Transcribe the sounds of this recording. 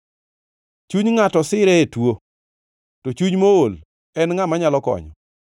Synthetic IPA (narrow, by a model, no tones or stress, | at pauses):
t͡ʃuɲŋatɔsɪɾɛetwo | tot͡ʃuɲmool | ɛnŋamaɲalɔkɔ̰ɲɔ̰